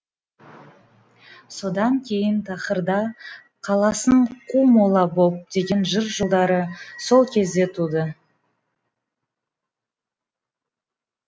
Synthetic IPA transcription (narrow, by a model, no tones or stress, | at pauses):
so̞d̪ɑŋkʲʰe̞jənt̪ʰɑqəɾd̪ɑ | qʰɑlˠɑsəɴqʰumolˠɑbo̞p̚d̪̥e̞ɡʲe̞nʒəɾʒəlˠd̪ɑɾəso̞lˠkʲʰe̞zd̪e̞t̪ʰud̪ə